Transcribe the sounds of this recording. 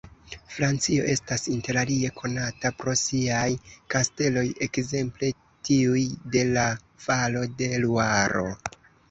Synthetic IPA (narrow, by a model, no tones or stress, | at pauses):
fɾant͡sio̞̰ʔe̞stasinte̞ɾalie̞kʰo̞natapɾo̞siajkaste̞lo̞je̞kze̞mple̞ | tiujde̞la | falo̞de̞luaɾo̞̰